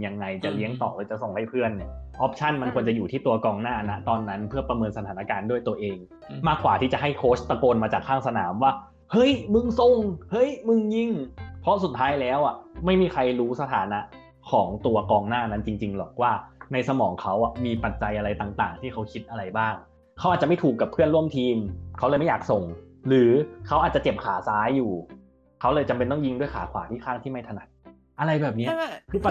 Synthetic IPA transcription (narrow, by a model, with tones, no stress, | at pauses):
ja˧ŋːa˧jt͡ɕa˨˩li˦˥əŋt̪ɔː˨˩lɯː˧˩t͡ɕa˨˩so˨˩ŋla˦˥˩jpʰɯ˥˩ənːi˦˥˩ɐʔɔ˦˥p̚t͡ɕʰa˥˩nma˧nkʰu˧ənt͡ɕa˨˩juː˨t̪ʰiː˥˩t̪u˧ɐkɔː˧ŋnaː˥˩na˦˥t̪ɔː˧nːa˦˥npʰɯ˥˩ɐpɾa˧mɤː˧nsa˧t̪ʰaː˩˦na˦˧kaː˧ndu˥˩əjt̪u˧ɐʔeː˧ŋ | maː˥˩kwaː˨˩t̪ʰiː˥˩t͡ɕa˨˩ɦa˥˩jkʰoː˦˥st̪a˧koː˧nmaː˧t͡ɕaː˨˩kʰːaː˥˩ŋsa˧na̰ː˩˦mwaː˥˩ | hɤ˦˥˩jmɯ˧ŋso˧˩ŋhɤ˥˩jmɯ˧ŋji˧˩ŋpʰɔ˦˥su˨˩t̪ʰːaː˦˥jlɛː˦˥wʔa˨˩ma˥˩jmiː˧˩kʰa˧jɾuː˦˥sa˧t̪ʰaː˩˦na˦˥ʔ | kʰɔː˩˦ŋt̪u˧ɐkɔː˧ŋnaː˥˩na˦˥nt͡ɕi˧ŋt͡ɕi˧ŋlɔ˨˩k̚waː˥˩na˧jsa˧mɔː˩˦ŋkʰa˦˥wʔa˨˩miː˧pa˨˩t̪̚t͡ɕa˧jʔa˧ɾa˧jt̪aː˨˩ŋt̪aː˨˩ŋt̪ʰiː˥˩kʰa˦˥wkʰi˦˥t̪̚ʔa˧ɾa˧jbaː˥˩ŋ | kʰa˦wʔa˨˩t͡ɕa˨˩m˥˩t̪ʰuː˨˩kːa˨˩pʰːɯ˥˩ənlu˥˩əmt̪ʰiː˧mkʰa˦˥wlɤː˧ma˥˩jaː˨˩k̚so˨˩ŋ | ɾɯː˩˦kʰa˦˥waː˨˩t̚t͡ɕa˨˩t͡ɕe˨˩p̚kʰaː˩˦saː˦˥jːuː˨˩ | kʰa˦˥wlɤː˧jt͡ɕa˧mpe˧nt̪ɔ˥˩ji˥˩ŋdu˥˩jkʰa̰ː˩˦kʰwaː˩˦t̪ʰiː˥˩kʰaː˥˩ŋt̪ʰiː˥˩ma˥˩jt̪ʰa˧na˨˩˦t̪̚ | ʔa˧ɾa˧jbɛː˨˩p̚ni˦˥ɐkʰɯː˧˩a˨˩